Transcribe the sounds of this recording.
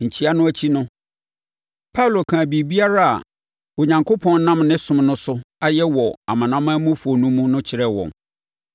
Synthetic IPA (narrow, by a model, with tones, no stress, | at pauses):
ɲ̩˨t͡ɕʰi˦a˦nʊ̃˦æ˨t͡ɕʰi˦nʊ̃˦ | pʰa˦wlo˨kʰã˨bi˨bi˦a˦ɾa˦a̰˨ | o˨ɲã˨ŋkʰo˦pʰɔ̃˦n˦nã˦mnɪ̃˦sʊ̃˨mnʊ̃˦sʊ˦a˦jɛ˦wɔ˨a̰˨mã˨nã˦mã˦mũ˦fo˨nũ˦mũ˦nʊ̃˦t͡ɕʰɪ˨ɾɛ˦wɔ̰̃˨n